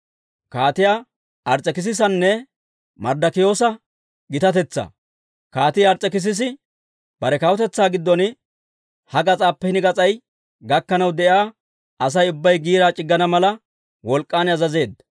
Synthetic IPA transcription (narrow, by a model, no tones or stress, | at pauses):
kaːt̪ɪja | ʔɐɾt͡sʼːɛkɪs̬ɪs̬ɐnːɛ | mɐɾd̪ɐkɪjo̞ːsɐ | ɡɪt̪ɐt̪ɛt͡sːɐ̰ | kaːt̪ɪjɐɾt͡sʼɛkɪs̬ɪs̬ɪ | b̥ɐɾɛkɐwɔt̪ɛt͡sːaːɡɪd̪ːɔn | hɐɡɐt͡sʼaːpːɛhɪnɪɡɐt͡sʼɐj | ɡɐkːɐnɐwd̪ɛʔjaː | ɐs̬ɐjʊbːɐjɡiːɾaːt͡ʃʼɪɡːɐnɐmɐlɐ | wɔlkʼːaːnɐzɐze̞ːd̪